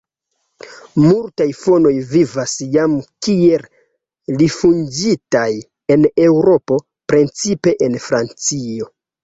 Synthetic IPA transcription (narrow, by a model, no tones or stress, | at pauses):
multajfo̞no̞jvivasjamkie̞l | lifund͡ʒitaj | e̞ne̞wɾo̞po̞ | pɾent͡sipe̞ʔenfɾant͡sio̞